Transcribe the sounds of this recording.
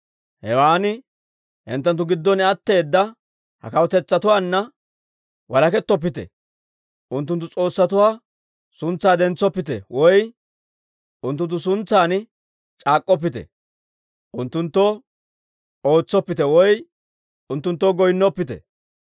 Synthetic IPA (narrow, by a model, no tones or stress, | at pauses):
hɛwaːnɪ | ʔɛnt̪ːɐnt̪̬ːʊɡɪd̪ːɔnɪɐt̪ːe̞ːd̪ːɐ | hɐ̰kɐwɔt̪ɛt͡sːɐt̪ʊwaːnːɐ | wɐlɐkɛt̪ːɔp̬ːɪt̪ɛ̰ | ʔʊnt̪ːʊnt̪̬ːʊt͡sʼo̞ːsːɐt̪ʊwaː | sʊnt͡sːaːd̪ɛnt͡sːɔpːɪt̪ɛ̰wʔɔj | ʊnt̪ːʊnt̪ːʊs̬ʊnt͡sːaːnɪ | t͡ʃʼaːkʼːɔp̬ːɪt̪ɛ̰ | ʔʊnt̪ːʊnt̪ːɔ | o̞ːt͡sːɔpːɪt̪ɛwɔj | ʊnt̪ːʊnt̪ːɔɡɔjnːɔpːɪt̪ɛ̰